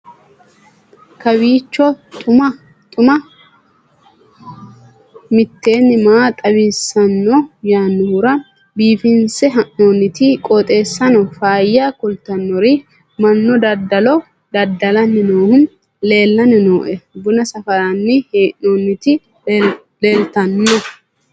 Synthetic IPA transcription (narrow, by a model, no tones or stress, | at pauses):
kɐbiːt͡ʃːɔt̪ʼʊmɐ | t̪ʼʊmɐ | mɪt̪ːe̞ːnːɪmaːt̪ʼɐbɪsːɐnːɔjaːnːʊʊɾɐ | biːfɪnsɛɦɐʔnoːnːɪt̪ɪkʼɔt̪ʼe̞ːsːɐnɔfaːjːakʊlt̪ɐnːɔɾɪ | mɐnːɔd̪ɐd̪ːɐlɔ | d̪ɐd̪ːɐlɐnːɪnoːhʊn | le̞ːlːɐnɪnoːʔɛbʊnɐsɐfɐɾɐnːɪheːʔoːnːɪt̪ɪ | le̞ːlt̪ɐnːɔ